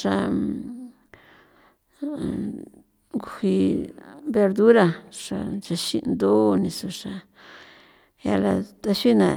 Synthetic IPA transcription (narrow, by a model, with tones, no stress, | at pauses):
ʂa˧ | ŋɡu˧hi˧ | be˧ɾd̪u˦ɾḁ˧ʂa̰˧t͡ʃa˧ʃḭ˧nd̪o˦˧nĩ˧su˧ʂa˧ | ja̰˧la˧t̪a˧ʃi˦nã˨